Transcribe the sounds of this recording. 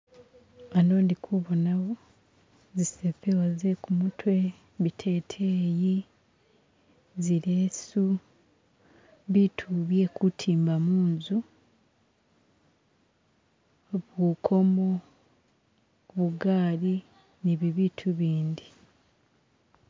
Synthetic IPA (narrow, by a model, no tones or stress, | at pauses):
ano̞ːndikʰuβonaβo | zisepewazekumutʰwe̞ | βitʰe̞ːtʰeːji | ziɾeːsu | βitʰuβje̞kutʰiːmbamuːnzu | βukʰo̞mo̞ | βuɡaːli | niβiβitʰuβiːnd̪i